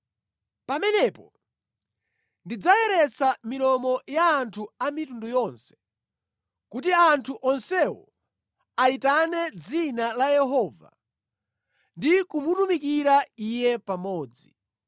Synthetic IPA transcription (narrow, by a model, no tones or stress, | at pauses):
pamɛnɛpɔ | ndid͡zajɛɾɛt͡samiɾɔmɔjaːntʰuamitundɔjɔnsɛ̥ | kutiantʰuʔɔnsɛwɔ̰ | aitanɛd͡zinalajɛɦɔːva̰ | ndikumutumikiɾaijɛpamɔːd͡zi